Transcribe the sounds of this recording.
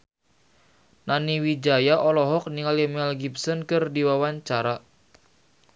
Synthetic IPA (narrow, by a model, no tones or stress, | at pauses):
naniwid͡ʒajaʔɔlɔɦɔk̚niŋalimɛlɡipsɔnkɨrdiwawaɲt͡ʃaɾa